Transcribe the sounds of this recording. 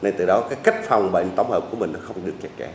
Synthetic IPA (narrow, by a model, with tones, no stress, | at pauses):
na˧jt̪ɨ˨˩ɗɔ˨˦kaː˨˦jka˦˥k̟̚fa˨˩wŋ͡mɓa̰˧˨ŋt̪ə˨˦wŋ͡mhəː˨˩p̚ku˧˦əmï˨˩ŋnɔ˨˦xə˧wŋ͡mɗɨ˨˩ək̚t͡ɕɛ˨˦˩k̚kɛ˧˦